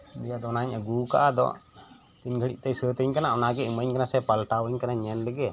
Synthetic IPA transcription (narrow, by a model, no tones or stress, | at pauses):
mijad̪ɔɔnaɲaɡuka̰ʔad̪ɔ̰ʔ | t̪inɡʱəɽiʔ̚t̪ɛsət̪əɲkanaʔɔnaɡɛɨməɲkanasɛpalʈawəɲkanaɲɛnləɡɛ